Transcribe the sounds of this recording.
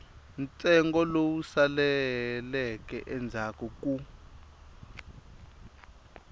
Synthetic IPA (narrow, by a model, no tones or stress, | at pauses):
nt͡sʼɛŋɡɔlowusalɛlɛk̬ʼɛ̰ʔɛnd͡zʱak̬ɔk̬u